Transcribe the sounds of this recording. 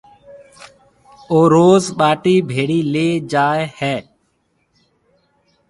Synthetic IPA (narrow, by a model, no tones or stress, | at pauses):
oːɾoːzɓaːʈiːbʱeːɽiːleːd͡ʒaːehɛː